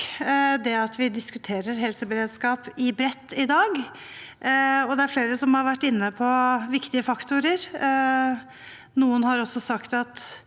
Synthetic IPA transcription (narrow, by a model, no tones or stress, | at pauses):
d̪ɛɑt̪ʋɪd̪ɪskʉt̪ʰeːɾəɾɦɛlsəbəɾeːd̪skɑːpɪbɾɛt̪ːɪd̪ɑːɡ | ɔd̪ɛæɾfleːɾəsɔmhɑɾʋæʈːɪnːəpʰɔʋɪkt̪ɪəfɑkt̪ʊɾəɾ | nuːənhɑɾɔsːɔsɑkt̪ɑt̪